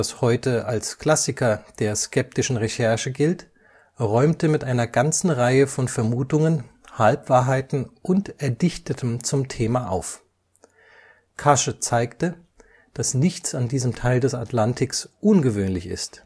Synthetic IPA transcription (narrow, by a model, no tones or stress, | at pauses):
ashɔʏtəalskl̥asɪkʰɐd̥eːɐskʰɛp̚tɪʃn̩ʁeʃɛɐʃəɡɪlt | ʁɔʏmtəmɪtʔaɪnɐɡant͡sn̩ʁaɪəfɔnfɛɐmuːtʊŋənhalpv̥aːɐɦaɪtn̩ʔʊntɛɐdɪçtətʰəmt͡sʊmtʰeːmaʔa̰ʊf | kʰaʃət͡saɪktə | d̥asnɪçt͡sandiːzəmtʰaɪldɛsa̰tʰlantʰɪksʔʊnɡəvøːnlɪçɪ̰st